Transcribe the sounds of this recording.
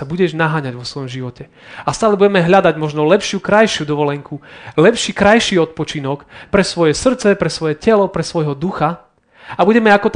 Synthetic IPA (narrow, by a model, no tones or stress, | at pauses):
abuɟɛʒnaɦaːɲaɟʋɔsʋɔjɔmʒiʋɔcɛ | ast̪aːlɛbuɟɛmɛɦʎad̪aɟmɔʒnɔlɛpʃukɾajʃɪud̪ɔʋɔlɛŋkulɛpʃiːkɾajʃiːɔt̪̚pɔt͡ʃinɔkpɾɛsʋɔjɛsr̩t̪t͡sɛpɾɛsʋɔjɛcɛlɔpɾɛsʋɔjɦɔd̪uxa | abuɟɛmɛakɔt̪